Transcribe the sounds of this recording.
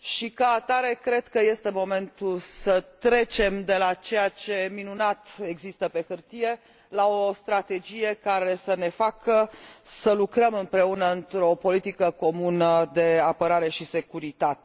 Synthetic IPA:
ʃikaːt̪aɾe̞kɾe̞d̪kəje̞st̪e̞mo̞me̞nt̪ulsət̪ɾe̞t͡ʃe̞md̪e̞lat͡ʃe̞jat͡ʃe̞minunat̪e̞ɡzist̪əpe̞xɨrt̪ije̞ | lao̞st̪ɾat̪e̞d͡ʒije̞kaɾe̞səne̞fakəsəlukɾəmɨmpɾe̞unəɨnt̪ɾo̞po̞lit̪ikəko̞munəd̪e̞apəɾaɾe̞ʃise̞kuɾit̪at̪e̥

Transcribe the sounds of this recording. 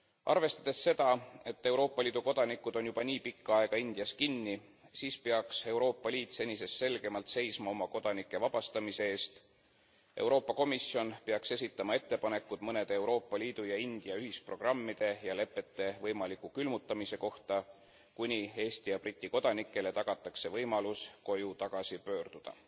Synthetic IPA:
ʔɑ̰rve̞st̪ɑd̪̥e̞sːe̞d̪ɑe̞t̪ːe̞wɾo̞ːpːˑɑliːd̪uko̞d̪̥ɑnikːud̪̥o̞njub̥ɑniːpikːɑɑˑe̞ɡ̥ɑind̪̥iɑskinːisiːspeɑkse̞wɾo̞ːpːˑɑliːt̪se̞nʲise̞sse̞lɡ̥e̞mɑlt̪se̞jsmɑo̞mɑko̞d̪̥ɑnikːˑe̞vɑb̥ɑst̪ɑmise̞eːst̪ | ʔe̞̰wɾo̞ːpːˑɑko̞misːio̞npeɑkse̞s̬ʲit̪ːˑɑmɑe̞t̪ːe̞pɑne̞kːˑud̪̥mɤne̞d̪̥ee̞wɾo̞ːpːˑɑlʲiːd̪̥ujɑind̪̥iɑyhispro̞ɡ̥rɑmːid̪̥e̞jɑle̞pːˑe̞t̪ːˑe̞vɤjmɑlikːˑukylmut̪ːˑɑmise̞ko̞ht̪ɑ | kunʲie̞ːst̪ijɑbrit̪ʲˑːiko̞d̪̥ɑnikːˑe̞le̞t̪ɑɡ̥ɑt̪ːˑɑkse̞vɤjmɑlusko̞jut̪ɑɡ̥ɑsipø̞ːrd̪̥ud̪̥ɑ̰

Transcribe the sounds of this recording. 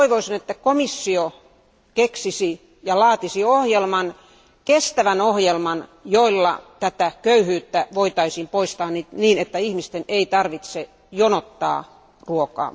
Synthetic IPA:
iʋoisinet̪ːækomisːio | keksisi | jɑlɑːt̪isiohjelmɑn | kest̪æʋænohjelmɑnjoilːɑ̰t̪æt̪ækøyhyːt̪ːæʋoit̪ɑisimpoist̪ɑːnitniːnet̪ːæihmist̪eneit̪ɑrʋit̪se | jonot̪ːɑ̰ː | ruokɑ̰ː

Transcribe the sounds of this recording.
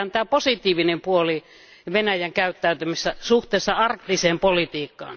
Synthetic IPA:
ænt̪æːposit̪ˑiːʋinempuoli | ʋenæjæŋkæyt̪ːæyt̪ymisːæsuht̪eːsːɑɑrkt̪iseːmpolit̪iːkːɑ̰ːn

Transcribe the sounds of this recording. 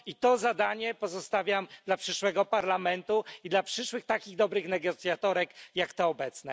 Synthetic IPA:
it̪ɔzad̪aɲɛpɔzɔst̪avʲjamd̪lapʂɘʂwɛɡɔpaɾlamɛnt̪uid̪lapʂɘʂwɘxt̪akʲiɣd̪ɔbɾɘxnɛɡɔt̪sjat̪ɔɾɛkjakt̪ɛɔbɛt̪snɛ

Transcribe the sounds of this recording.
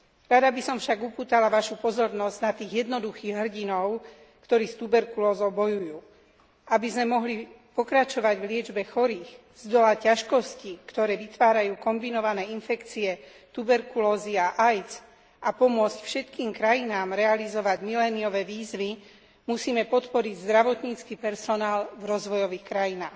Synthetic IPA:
ɾad̪abisɔmfʃaɡupuːt̪alaʋaʃupɔzɔɾnɔzɟnat̪iːɣjɛd̪nɔd̪uxiːɣɦr̩ɟinɔʊ | kt̪ɔɾiːst̪ubɛɾkulɔːzɔʊbɔjujuː | ʔabizmɛmɔɦli | pɔkɾat͡ʃɔʋaɟʋlɪɛd͡ʒbɛxɔɾiːx | z̥d̪ɔlacaʃkɔscikt̪ɔɾɛːʋit̪ʋaːɾajuːkɔmbinɔʋanɛːinfɛkt͡siɛ | t̪ubɛɾkulɔːziaʔajt͡s | ʔapɔmʊɔt͡scfʃɛt̪kiːmkɾajinaːmɾɛalizɔʋaɟmilɛːniɔʋɛːʋiːzʋi | musiːmɛpɔt̪pɔɾiɟzd̪ɾaʋɔt̪ɲiːt͡skipɛɾsɔnaːlvɾɔzʋɔjɔʋiːxkɾajinaːx

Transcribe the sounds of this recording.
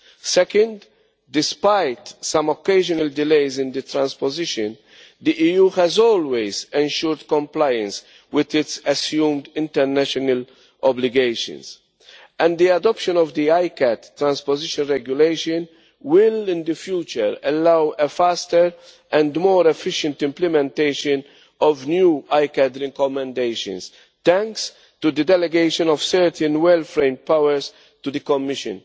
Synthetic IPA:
sɛkə̃nd̪ | d̪ɪspajt̪sɐ̃mɔkːeɪʒɔnɐld̪ɪleɪzɪ̃nd̪ət̪ɾãnspɔzɪʃə̃n | d̪iʔiːjuːhɛzɔːlwezɛ̃nʃʊɾd̪kɔ̃mplaɪə̃ns | wɪd̪ɪtsɐsjũːmd̪ɪ̃nt̪ɛɾnæʃɔnəl | ʔɔblɪɡeɪʃə̰̃ns | ʔɛ̃nd̪d̪iɐd̪ɔpʃə̃nɔvd̪iajkɛt̪ːɾæ̃nspɔzɪʃə̃nɾɛɡjʊleɪʃə̃n | wɪlɪ̃nd̪əfjuːt͡ʃəɾɛlːɐwɛfæst̪əɾ | ʔɛ̃nd̪mɔːɾɛfɪʃə̃nt̪ɪ̃mplɛmɛ̃nt̪eɪʃə̃n | ɔvnjuːajkɛd̪ɾɛkɔmɛ̃nd̪eʃə̰̃ns | t̪ɛ̃ŋks | t̪ud̪əd̪ɛlɛɡeɪʃɔ̃nɔv̥sɛɾt̪ə̃nwɛlfɾẽɪ̃md̪̚pawəɾs | t̪ud̪əkɔmːɪʃə̰̃n

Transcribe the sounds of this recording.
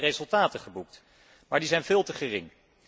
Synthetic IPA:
rezɵlˠtaːtəχəbuk̚t | maːɹdizɛjnvɪːlˠtəχərɪŋ

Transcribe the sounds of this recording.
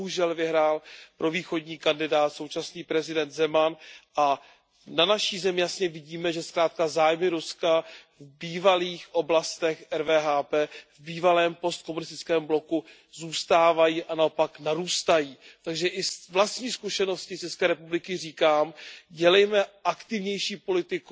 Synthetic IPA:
ɦuʒɛlvɪɦɾaːlpɾo̞viːxo̞ɟɲiːkandɪdaːt̪so̞wt͡ʃasniːpɾɛzɪdɛnt̪zɛmanʔa | nanaʃiːzɛmɪjasɲɛvɪɟiːmɛʒɛskɾaːt̪̚kazaːjmɪɾuskavbiːvaliːxʔo̞blast̪ɛxɛɾvɛːɦaːpɛːvbiːvalɛːmpo̞st̪ko̞munɪst̪ɪt͡skɛːmblo̞ku | zuːst̪aːvajiːʔanao̞paknaɾuːst̪ajiːt̪aɡʒɛʔɪsvlast̪ɲiːskuʃɛno̞scɪt͡ʃɛskɛːɾɛpublɪkɪriːkaːmɟɛlɛjmɛʔakt̪ɪvɲɛjʃiːpo̞lɪt̪ɪk

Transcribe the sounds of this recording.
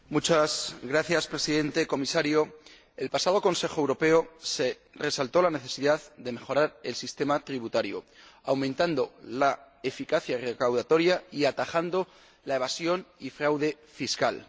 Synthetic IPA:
mut͡ʃasɡɾaθjaspɾe̞siðe̞nt̪e̞ko̞misaɾjo̞ | elpasaðo̞ko̞nse̞xo̞ewɾo̞pe̞o̞se̞ | re̞salt̪o̞lane̞θe̞siðaðd̪e̞me̞xo̞ɾaɾe̞lsist̪e̞mat̪ɾiβ̞ut̪aɾjo̰ | awmẽnt̪and̪o̞la | e̞fikaθjare̞kawðat̪o̞ɾjaiat̪axand̪o̞ | lae̞βasjo̞nifɾawðe̞ | fiskal

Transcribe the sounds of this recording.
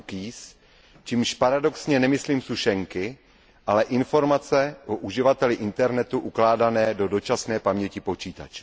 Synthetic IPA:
kiːs | t͡ʃiːmʃpaɾado̞ksɲɛnɛmɪsliːmsuʃɛŋkɪ | ʔalɛʔɪnfo̞ɾmat͡sɛʔoʔuʒɪvat̪ɛlɪʔɪnt̪ɛɾnɛt̪uʔuklaːdanɛːdo̞do̞t͡ʃasnɛːpamɲɛcipo̞t͡ʃiːt̪a̰t͡ʃɛ̥

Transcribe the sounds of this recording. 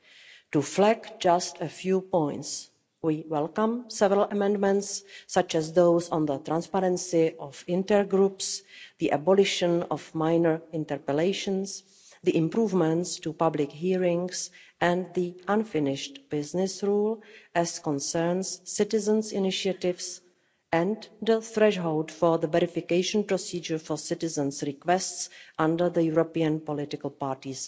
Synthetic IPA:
tuflɛkd͡ʒastəfjuːpõj̃nts | wiːwɛlkãmsɛvəɾəlʔəmɛ̃ndmɛ̃ntsːat͡ʃɛzðowsɔ̃nðət̪ɾãnspaɾɛ̃nsɪʔɔfɪ̃ntəɹɡɾupsðiʔɛbɔlɪʃə̃nɔfmajnəɹɪ̃ntɛɹpəleɪʃə̃ns | ðiʔɪ̃mpɾuːvmɛ̃ntstupablɪkɦiːɹɪ̃ŋsʔɛ̃nðiʔãnfɪnɪʃtb̥ɪznɪsɹuːlʔɛskɔ̃nsəɹnsːɪtɪzə̃nsɪnɪʃiatɪvs | ɛ̃ndəθɾɛʃɦowldfɔðəvɛɾɪfɪkejʃə̃npɾosiːd͡ʒəɹfɔɹsɪtɪzə̃nsɹɪkwɛstsʔãndə˞ðəjuɾopiə̃npɔlɪtɪkəl̩ˠpaːɹtis

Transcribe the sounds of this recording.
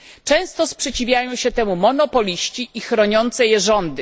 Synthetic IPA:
t͡ʂɛ̃w̃st̪ɔspʂɛt͡ɕivʲjajɔ̃w̃ɕɛt̪ɛmumɔnɔpɔlʲiɕt͡ɕiixɾɔɲɔnt̪sɛjɛʐɔnd̪ɘ

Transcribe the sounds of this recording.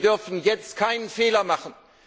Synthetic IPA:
dʏɐfn̩jɛt͡stkʰaɪnənfeːlɐmaχən̩

